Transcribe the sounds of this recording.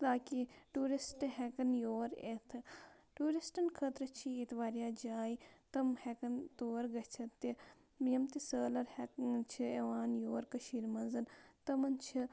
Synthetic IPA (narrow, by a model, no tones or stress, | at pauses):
t̪aːkiʈuːɾisʈɦekɐnjoːɾet̪ʰ | ʈuːɾisʈɐnkʰɐt̪ɾɐt͡ʃʰiːt̪ʋaːɾijaːd͡ʒaːit̪ɐmhekɐnt̪oːɾɡɐt͡ʃʰɐt̪ːi | miɐmt̪isəːlɐɾhet͡ʃʰieʋaːnjoːɾkɐʃiːɾmɐnzɐnt̪ɐmɐnt͡ʃʰi